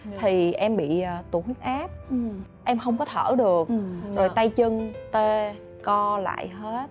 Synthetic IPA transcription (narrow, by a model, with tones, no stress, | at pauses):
t̪ʰi˨˩ʔɛ˧mɓḭ˧˨˩t̪u˨˧˩hwi˦˥ək̚ʔaː˦˥p̚ | ʔɛ˧mxə˧wŋ͡mkɔ˨˦t̪ʰəː˧˩ɗɨ˨˩ək̚zo˨˩jt̪a˧jt͡ɕɨ˧ŋt̪e˧ | kɔ˧la̰ː˧˨jɦe˦˥t̚